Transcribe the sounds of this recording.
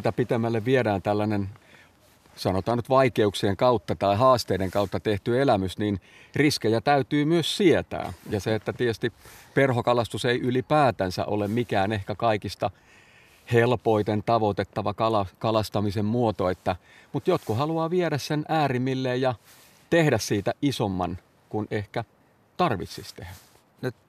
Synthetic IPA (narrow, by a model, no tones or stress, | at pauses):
t̪æpit̪emːælːeʋʋieɾæːnt̪ælːænen | sɑnot̪ɑːnyt̪ʋɑikeuksieŋkɑut̪ːɑt̪ɑiɦɑːst̪eiɾeŋkɑut̪ːɑt̪eht̪yelæmysnin | riskejæt̪æyt̪yːmyøssiet̪æ̰ːjɑseet̪ːæt̪iest̪iperɦokɑlɑst̪useiʔylipæːt̪ænsæ̰ʔo̰lemmikæːnehkækɑikist̪ɑ | helpoit̪ent̪ɑʋot̪et̪ːɑʋɑkɑlɑkɑlɑst̪ɑmisemmuot̪oet̪ːæ | mut̪jot̪kuhɑluɑːʋieɾæssenʔæːrimːilːeːjjɑ | t̪ehdæssiːt̪æʔisomːɑn | kunehkæ | t̪ɑrʋit̪sist̪ehæ | nyt̪